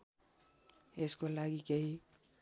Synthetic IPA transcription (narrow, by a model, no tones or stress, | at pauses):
eskolaɡikeɦi